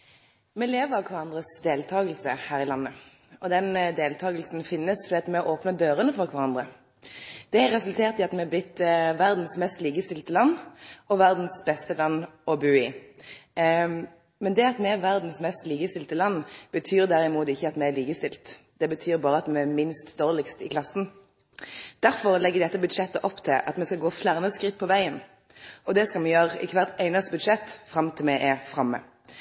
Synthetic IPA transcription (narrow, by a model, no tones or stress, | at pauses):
mɛleːʋəɾɑʋkʰʋɑʁɑnd̪ʁəsd̪eːlt̪ʰɑːɡəlsəhæːʁɪlɑnːə | ɔd̪ɛnd̪eːlt̪ʰɑːɡəlsn̩fɪnːəsfɔʁd̪iːɑt̪mɛʔoːpnəd̪øːɾənəfɔʁkʰʋɑʁɑnd̪ʁə | d̪̥ɛæɾʁːɛsʉlt̪ʰeːʁt̪ɪɑt̪mɛb̪ɪt̪ːʋæʁd̪n̩smɛst̪liːɡəst̪ɪlt̪əlɑnːɔʋæʁd̪n̩sbɛst̪əlɑnːɔbʉːɪ | mɛnd̪ɛɑt̪mɛɛʋæʁd̪n̩smɛst̪liːɡəst̪ɪlt̪əlɑnːb̥ət̪ʰyːʁd̪æɾɪmuːt̪ɪçːəɑt̪mɛæliːɡəst̪ɪlt̪ | d̪̥ɛbət̪ʰyːɾbɑːʁəɑt̪mɛɛmɪnst̪d̪oːʁlɪkst̪ɪkʰlɑsn̩ | d̪̥æɾfɔɾlɛɡːəd̪ɛt̪ːəbʉd̪ʂɛt̪ːəʔɔpːt̪ʰɪlʔɑ̰t̪mɛskɑɡoːflæʁnəskɾɪt̪̚ːpʰɔʋæɪən | ʔɔd̪ɛskɑlmɛjøːʁɪ̰kʰʋæʁt̪æɪnəst̪əbʉd̪ʂɛt̪ːfɾɑmt̪ʰɪlmɛʔɛfʁɑmːə̰